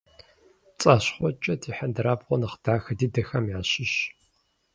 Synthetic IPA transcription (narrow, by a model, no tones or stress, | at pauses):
t͡sʼaɕχʷɔt͡ʃʼɐtʰiːħɐndɨɾaːbʁʷɔnɨχd̥aːxɨdiːdɨxɐmjaːɕɪɕ